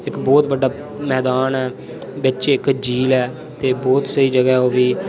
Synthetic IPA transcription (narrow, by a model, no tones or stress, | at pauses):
ɪkbɔːt̪bəɖaː | mɛːd̪aːnɛː | bɪt͡ʃɪkd͡ʒiːlɛː | t̪eːbɔːt̪səiːd͡ʒəɡɛːoːʋiː